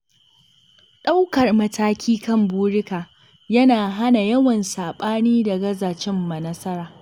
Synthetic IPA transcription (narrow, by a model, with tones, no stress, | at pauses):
ɗa˦wkɐ˨rmɐ˦taː˦kʲʰiː˦kɐ˦mbuː˦ɽɪ˦kaː˨ | jɐ˦naː˨ɦa˦na˨jɐ˦wɐ˨nsaː˨ɓaː˦niː˦dɐ˨ɡɐ˦zaː˨t͡ʃɪ˦mːɐ˨nɐ˦sɐ˦ɾaː˨